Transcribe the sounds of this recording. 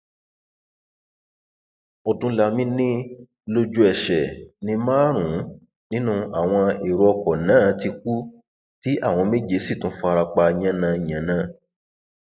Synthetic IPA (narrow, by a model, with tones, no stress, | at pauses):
ɔ˨dũ˧˦la˧˨mĩ˦nĩ˦ | lo˧d͡ʒu˦ɛ˨ʃɛ˨nĩ˧mãː˦ɾ̃ũ˨˦ | nĩ˦nũ˦a˨w̃ɔ̃˧e˨ɾo˧ɔ˧kɔ˨nãː˦˨ti˧ku˦ | ti˦ʔa˦˨w̃ɔ̃˧me˦d͡ʒe˧˦si˦˨tũ˨˦fɔ˧a˧ɾa˧k͡pa˧ɲã˦nã˧i˨ɲ̃ã˨nã˧˦